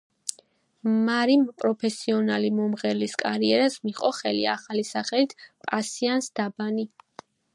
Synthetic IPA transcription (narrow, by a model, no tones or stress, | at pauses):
maɾimpʼɾɔpʰɛsiɔnalimɔmʁɛɾliskʼaɾiɛɾasmiχʼɔχɛlḭa̰χalisaχɛlit̪ʰpʼasiansd̪̥abani